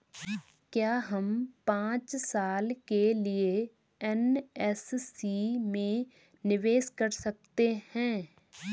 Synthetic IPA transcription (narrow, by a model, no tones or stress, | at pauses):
kjaːɦəmpãːt͡ʃsaːlkelɪe | ɛnɛssiːmẽ | nɪʋeːʃkəɾsək̚t̪ehɛ̃ː